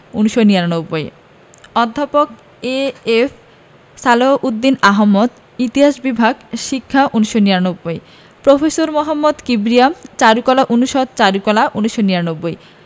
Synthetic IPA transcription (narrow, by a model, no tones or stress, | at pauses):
unuʃonijanobːoj | ɔd̪ʱːapok̚ | eef | saloʔud̪ːinaɦomːod̪ | it̪iɦaʃbibʱaɡʃikʰːaʔunuʃoniɾanobːoj | pɾofesoɾmoɦamːod̪kibɾiamt͡ɕaɾukɔlaʔunuʃod̪̚t͡ɕaɾukɔlaʔunuʃːoniɾanobːoj